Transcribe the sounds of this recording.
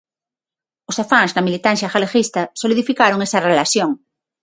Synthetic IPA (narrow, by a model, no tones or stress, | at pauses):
osafaŋznɐmilit̪anθjaxalexist̪ɐsoliðifikaɾoŋesarelasjõŋ